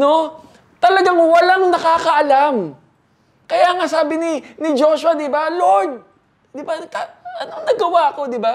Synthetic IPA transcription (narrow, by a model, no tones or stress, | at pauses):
no̞ | t̪ɐlɐɡaŋwɐlaŋnɐkakɐʔɐlam | kɐjaːŋasaːbɪnɪnɪd͡ʒo̞ʃwɐd̪ɪbalod̪̚ | d̪ɪbakɐɐnoŋnɐɡɐwaʔɐko̞d̪ɪba